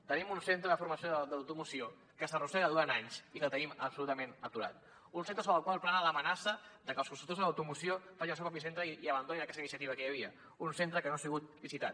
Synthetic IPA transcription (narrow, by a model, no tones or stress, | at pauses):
t̪ənimunsent̪ɾəðəfuɾməsioðd̪əwt̪umusio | kəsəruseɾəðuɾanaɲsikəlˠt̪əniməpsulut̪əmenət̪uɾa̰t̪ | unsent̪ɾəsoβɾəlˠkwalˠplanələmənasəd̪əkəlskunst̪ɾukt̪ozðələwt̪umusiofaʒinəls̬ewpɾopisent̪ɾəiəβənd̪oninəkɛsəinisiət̪iβəkəjəβ̞iə | unsent̪ɾəkənoasiɣut̪̚bizit̪a̰t̪